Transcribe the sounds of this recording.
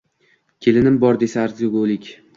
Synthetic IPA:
kʲʰe̞lɪnɪmbɒɾd̪e̞saːɾzoɡolɪkʲ

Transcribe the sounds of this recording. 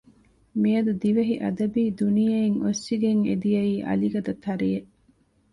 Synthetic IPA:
miɐd̪ud̪iʋɐɦiʔɐ̰d̪ɐbiːd̪unijɐeŋosːiɡeŋḛd̪ijɐiːʔɐ̰liɡɐd̪ɐt̪ʰːɐɾijeʔ

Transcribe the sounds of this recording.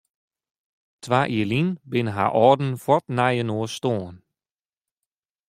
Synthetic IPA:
tʰʋaːʔiːəlinbɪnəɦa̰ʔɔːdn̩fɔtnajənoːstoːn

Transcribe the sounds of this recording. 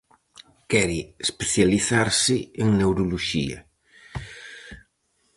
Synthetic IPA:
kɛɾɪespeθjaliθaɾsɪeŋnewɾuluʃḭa̰

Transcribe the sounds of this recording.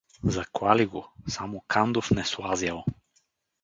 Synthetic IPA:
zɐklˠaliɡosamokʰand̪ofnɛslˠazjalˠ

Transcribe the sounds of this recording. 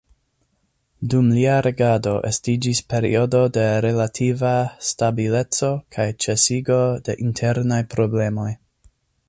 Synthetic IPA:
dumliaɾe̞ɡado̞ʔḛstid͡ʒispe̞ɾḭo̞do̞de̞ɾe̞latʰivastabile̞t͡so̞kʰajt͡ʃe̞siɡo̞de̞ʔintʰe̞ɾnajpɾo̞ble̞mo̞j

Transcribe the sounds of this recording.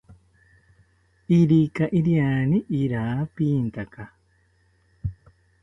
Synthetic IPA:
iɾikaʔiɾjaniʔːɾaːpiːnt̪aka

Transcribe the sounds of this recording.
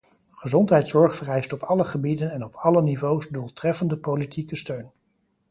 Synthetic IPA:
χəzɔntɦɛjtsɔɹχfərɛjstɔpʰɑləχəbidənɛnɔpʰɑlənivowsdulˠtrɛfəndəpowlitikəstøɥn

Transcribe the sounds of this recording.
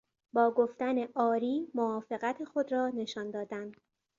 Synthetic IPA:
bɒːɡoft̪æne̞ʔɒːɾiːmoɒːfe̞ɣæt̪ʰexo̞d̪ɾɒːne̞ʃɒːnd̪ɒːd̪ænd̪̥

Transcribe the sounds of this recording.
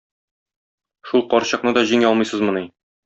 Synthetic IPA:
ʃulˠqɒɾɕɤ̆qnɤd̪ɒʑiŋɒlˠmɤ̆jsɤzmŏni

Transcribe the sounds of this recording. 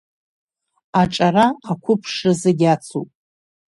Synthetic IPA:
aʈ͡ʂʼaraqakʷʰʊpʰʂrɨzeɡʲat͡sʰupʼ

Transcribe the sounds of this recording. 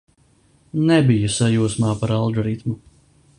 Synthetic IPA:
nɛbijusajuːsmaːpaɾalˠɡɔɾit̪mu

